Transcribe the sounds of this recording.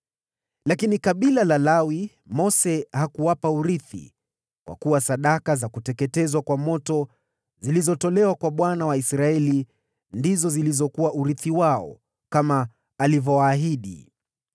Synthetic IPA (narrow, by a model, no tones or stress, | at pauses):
lakinikaɓilalalawi | mɔsɛhakuwapauɾiθḭ | kwʔa̰kuwasaɗakazakutɛkɛtɛzwakwamɔtɔ | zilizɔtɔlɛwakwaɓwanawaisɾaɛli | ndizɔzilizɔkuwaʔuɾiθiwaɔ̰ | kamaː | livɔwaːɦiɗḭ